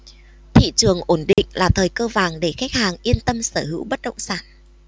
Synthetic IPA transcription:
t̪ʰḭ˧˨t͡ɕɨ˨˩əŋʔo˧˩nɗḭ˧˨ŋ̟laː˨˩t̪ʰəː˨˩jkəː˧vaː˨˩ŋɗe˧˩xa˦˥jk̚haː˨˩ŋʔi˧ənt̪ə˧msəː˧˩ɦɨ̰˧˥wɓə˦˥t̚ɗə̰˧˨ŋ͡msaː˧˩n

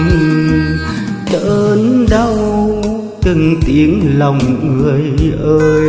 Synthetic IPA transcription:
t̪ə˧˩nɗə˧w | tɨ˨˩ŋt̪i˨˦ənla˨˩wŋ͡mŋɨ˨˩əjʔəː˧

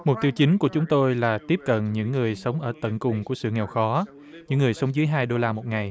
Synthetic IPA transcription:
mo˨˩t̚t̪i˧əwt͡ɕï˨˦ŋ̟ku˧˩ət͡ɕʊ˨˦ŋ͡mt̪o˧jlaː˨˩t̪i˦˥əp̚kə̰˧˨nɲɨ̰˧˥ŋːɨ˨˩əjsə˨˦wŋ͡mʔəː˧˩t̪ə̰˧˨nkʊ˨˩ŋ͡mku˧˩əsɨ̰˧˨ŋɛ˨˩wxɔ˨˦ | ɲɨ̰˧˥ŋːɨ˨˩əjsə˨˦wŋ͡mzɨː˨˦jɦaː˧jɗo˧laː˧mo˨˩t̚ŋa˨˩j

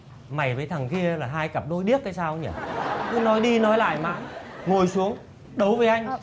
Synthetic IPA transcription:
ma˨˩jvəː˨˦jt̪ʰə˨˩ŋki˧əlaː˨˩ɦaː˧jka˨˩p̚no˨˦jɗi˦˥ət̚kaː˨˦jsaː˧wɲə̰˧˩kɨ˨˦nɔ˨˦jɗi˧nɔ˨˦jla̰ː˧˨jma̰ː˧˨ŋo˨˩jsu˨˦əŋ | ɗə˨˦wvəː˨˦jʔa˧jŋ̟

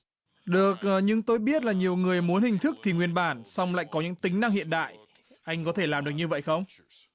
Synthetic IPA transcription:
ɗɨ˨˩ək̚ːɲɨ˧ŋt̪o˧jɓi˦˥ət̚laː˨˩ɲi˨˩əwŋɨ˨˩əjmu˨˦ənhï˨˩ŋ̟t̪ʰɨ˦˥k̚t̪ʰi˨˩ŋwi˧ənɓaː˧˩nsa˧wŋ͡mla̰ː˧˨jkɔ˨˦ɲɨ̰˧˥ŋt̪ï˨˦ŋ̟na˧ŋhḭ˧˨ənɗa̰ː˧˨j | ʔa˧jŋ̟kɔ˨˦t̪ʰe˧˩laː˨˩mɗɨ˨˩ək̚ɲɨ˧və̰˧˨jxə˧wŋ͡m

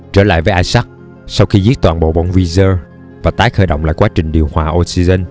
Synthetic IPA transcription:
t͡ɕəː˧˩la̰ː˧˨jvəː˨˦ʔaː˧jsa˦˥k̚ | sa˧wxi˧zi˦˥ət̚t̪waː˨˩nɓo̰˧˨ɓo̰˧˨nvi˧zəː˧ | vaː˨˩t̪aː˨˦jxəː˧˩jɗə̰˧˨wŋ͡mla̰ː˧˨jkwaː˨˦t͡ɕï˨˩ŋ̟ɗi˨˩əwhwaː˨˩ʔo˧si˧zə˧n

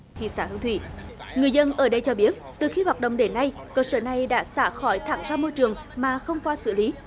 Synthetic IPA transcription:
t̪ʰḭ˧˨saː˧˩t̪ɨ̰˧˥˦t̪ʰwḭ˧˨ŋɨ˨˩əjzə˧nʔəː˧˩ɗə˧jt͡ɕɔ˧ɓi˦˥ət̚t̪ɨ˨˩xi˧hwaː˨˩t̚ɗə̰˧˨wŋ͡mɗe˨˦nːa˧j | kəː˧səː˧˩na˨˩jɗa̰ː˧˥saː˧˩xɔ˧˩jt̪ʰaː˧˩mzaː˧mo˧jt͡ɕɨ˨˩əŋmaː˨˩xə˧wŋ͡mkwaː˧sɨ̰˧˩li˨˦

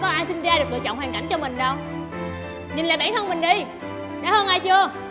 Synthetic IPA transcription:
kɔ˨˦ʔaː˧jsï˧nzaː˧ɗɨ˨˩k̚lɨ̰˧˨˩t͡ɕɔ̰˧˨wŋ͡mɦwːŋka˧˩ŋt͡ɕɔ˧mï˨˩ŋ̟ɗə˧w | ɲi˨˩nla̰ː˨ɓaː˧˩nt̪ʰə˧nŋ͡mmï˨˩ŋ̟ɗi˧ | ɗa̰ː˧˥həː˧nʔaː˧jt͡ɕɨ˧ə

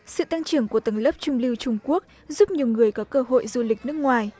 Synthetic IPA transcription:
sɨ̰˧˨t̪a˧ŋt͡ɕɨ˧˩əŋku˧˩ət̪ə˨˧˩ŋlə˦˥p̚t͡ɕʊ˧ŋ͡mli˧wt͡ɕʊ˧ŋ͡mku˦˥ək̚ | zu˦˥p̚ɲi˨˩əwŋɨ˨˩əjkɔ˨˦kəː˧ɦo̰˧˨jzu˧lï˨˩k̚nɨ˦˥ək̚ŋwaː˨˩j

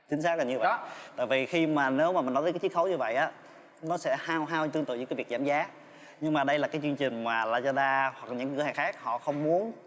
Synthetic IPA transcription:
t͡ɕi˨˦ŋ̟saː˦˥k̚ə˨˩ɲɨ˧və̰˧˨t̪a̰ː˧˨jvi˨˩xi˧maː˨˩ne˨˦wmaː˨˩mï˨˩nɔ˦˥ə˨˦kːaː˨˦i˦ə˥kxə˨˦wɲɨ˧və̰˧˨jʔaː˨˦ | nɔ˨˦sɛ̰˧˥haː˧wɦaː˧wt̪ɨ˧ŋt̪ɨ̰˧˨ɨ̰˧˥˦kaː˨˦vk̚zaː˧˦mzaː˨˦ | ɲɨ˧ŋmaː˨˩ɗə˧jlaː˨˩kaː˨˦jt͡ɕwi˧ŋt͡ɕï˨˩ŋ̟maː˨˩laː˨˩zɔ˧ɗaː˧wa˨˩k̚lɲɨ̰˧˥ŋ˧˦˧haː˨˩ŋxaː˦˥k̚hɔ̰˧˨xə˧wŋ͡mmu˨˦ən

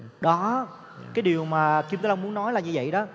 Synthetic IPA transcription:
ɗɔ˨˦ | kaː˨˦jɗi˨˩əwmaː˨˩ki˧mt̪aː˨˦la˧ŋ͡mmu˨˦ənɔ˨˦jlaː˨˩ɲɨ˧və̰˧˨jɗɔ˨˦

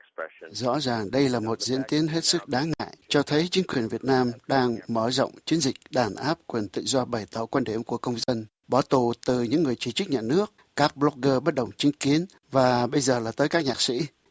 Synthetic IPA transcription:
zɔ̰˧˥zaː˨˩ŋɗə˧jlaː˨˩mo˨˩t̚zḭ˧˥ənt̪i˨˦ənɦe˦˥t̚sɨ˦˥k̚ɗaː˨˦ŋŋa̰ː˧˨jt͡ɕɔ˧t̪ʰə˨˦jt͡ɕï˨˦ŋ̟kwi˨˩ənvi˨˩ət̚naː˧mɗaː˧ŋməː˧˩zɔ̰˧˨wŋ͡mt͡ɕi˨˦ənzï˨˩k̟̚ɗaː˧˩nʔaː˦˥p̚kwi˨˩ənt̪ɨ̰˧˨zɔ˧ɓa˨˩jt̪ɔ̰˧˩kwaː˧nɗi˧˩mku˧˩əkə˧wŋ͡mzə˧n | ɓɔ˧˩t̪u˨˩t̪ɨ˨˩ɲɨ̰˧˥ŋːɨ˨˩əjt͡ɕi˧˩t͡ɕɨ˦˥k̚ɲaː˨˩nɨ˦˥ək̚ | kaː˦˥k̚ɓlɔ˦˥k̚ɣəː˧ɓə˦˥t̚ɗə˨˩wŋ͡mt͡ɕï˨˦ŋ̟ki˨˦ən | vaː˨˩ɓə˧jzəː˨˩laː˨˩t̪əː˨˦jkaː˦˥k̚ɲaː˨˩k̚sḭ˧˥

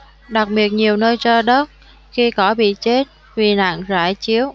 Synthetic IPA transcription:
ɗa˨˩k̚ɓi˨˩ət̚ɲi˨˩əwnəː˧jt͡ɕɔ˧ɗə˦˥t̚ | xi˧kɔ˧˦ɓḭ˧˨t͡ɕe˦˥t̚ | vi˨˩na̰ː˧˨ŋza̰ː˧˩jt͡ɕi˨˦əw

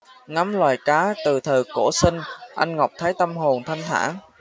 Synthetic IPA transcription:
ŋa˨˦mlwaː˨˩jkaː˨˦t̪ɨ˨˩t̪ʰəː˨˩ko˧˩sï˧ŋ̟ʔa˧jŋ̟ŋa˨˩wk͡p̚t̪ʰaː˨˦jt̪a˧mɦo˨˩nt̪ʰa˧jŋ̟t̪ʰa̰ː˧˥

